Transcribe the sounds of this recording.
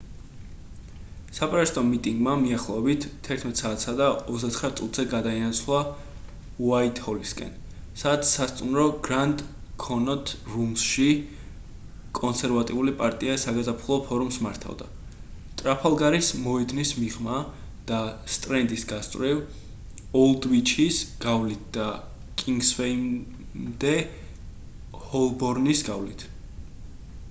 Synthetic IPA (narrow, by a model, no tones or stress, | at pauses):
sapʼɾɛst̪ʼɔmit̪ʼiŋɡmamiaχlˠɔɛbit̪ʰːɛɾt̪ʰmɛt̪ʼsaːt̪ʰsad̪aɔsd̪at̪sχɾat̪sʼut̪ʰzɛɡad̪ainat̪sʰlˠa | wait̪ʰʼhɔliskʼɛ̰n | sadt̪sast̪sʼunɾɔɡɾant̪ʼkʰɔnɔt̪ʰɾumsʃi | kʼɔnsɛɾvat̪ʼiulipʼaɾt̪ʼiasaɡazapʰlˠɔpʰɔɾumsmaɾt̪ʰa̰vd̪a | t̪ʼɾapʰalˠɡaɾismɔɛd̪nismiʁma | d̪̥ast̪ʼɾɛnd̪isɡast̪ʼɾiv | ɔlˠd̪vit͡ʃʰisɡ̥avlit̪̚ʰd̪̥a | kʼiŋɡsvɛm | md̪ɛ | hɔlˠbɔɾnisɡavlit̪ʰ